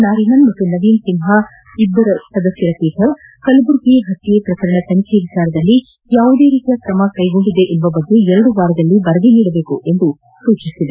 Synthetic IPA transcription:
naːɾinɐnmɐt̪ːunɐʋiːnsimɦa | id̪ːɐɾɐsɐd̪ɐsjɐɾɐt̪iːt̪ʰɐ | kɐlɐbuɾkiɦɐt̪ːijɐpɾɐkɐɾɐɳɐt̪ɐnikʰeʋit͡ʃaːɾɐd̪ɐlːi | jaːʋud̪e̞ːɾiːt̪ijɐkɾɐmɐkɐjɡo̞ɳɖid̪e̞ʔilʋɐbɐɡːeɛɾɐɽuʋaːɾɐd̪ɐlːibɐɾɐɡ̪eniːɽɐbe̞ːkuʔe̞nd̪u | suːt͡ʃisid̪e

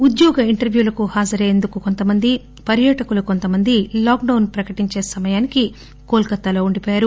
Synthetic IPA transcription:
ud̪jɔːɡɐiɳʈɐɾʋjuːlɐkuhaːd͡ʒɐɾejend̪ukuko̞nt̪ɐmɐnd̪i | pɐɾjɐʈɐkuluko̞nt̪ɐmɐnd̪ilaːkɖɐwnpɾɐkɐʈiɲt͡ʃe̞ːsɐmɐjaːniki | koːlkɐt̪ːɐlo̞ːuɳɖipɔːjaːɾu

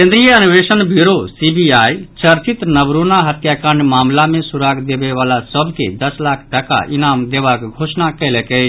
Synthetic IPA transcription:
kẽnd̪ɾijəənʋeʃənbiɾosibiaːjt͡ʃəɾt͡ʃit̪nəbɾunaɦɐt̪jakə̃ɳɖmaːmlamẽsuɾaːɡd̪ebeʋaːlasəbʱked̪əslaːkʰʈəka̰ʔɪnaːmd̪eʋakɡʱoːsnakɛlekɛ

